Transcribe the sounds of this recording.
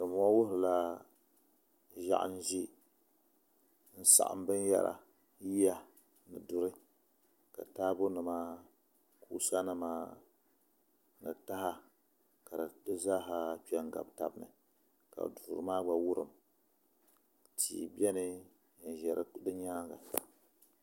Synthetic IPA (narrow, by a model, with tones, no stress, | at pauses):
dɨ˨mɔ˦wʊ˦hɨ˨la˦ | ʒa̰˨ʔa̰˦n̩˦ʒi˦ | n̩˦sa̰˨ʔa̰˨m˦bɨ˦n˦ja̰˦ɾʔa̰˨ | ji˦ja˨ | nɨ˨dʊ˨ɾɨ˦ | ka̰˨taː˦bo˦nɨ˨maː˦ | kʰu˦sa˦nɨ˦maː˦ | nɨ̰˨ta˦ha˦ | ka˨dɨ˨dɨ˦za˦ɦa˦k͡pɛ˦ŋ˦ɡa̰˨bta̰˨bnɨ̰˨ | ka̰˨duː˨ɾɨ˨˦maː˦ɡ͡ba˨wʊ˦ɾɨ̰˨m | tʰḭː˨bɛ˦nɨ˦˨ | n˨ʒɛ˨ɾɨ̰˦dɨ˦ɲaː˦ɡa̰˨